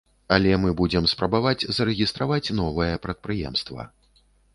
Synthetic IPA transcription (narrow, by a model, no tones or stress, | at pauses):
alʲɛmɨbud͡zʲɛmspɾɐbavad͡zʲzɐɾɛɣʲist̪ɾavat͡sʲn̪ɔvɨjɛpɾɐt̪̚pɾɨjɛ̰mst̪vɐ̰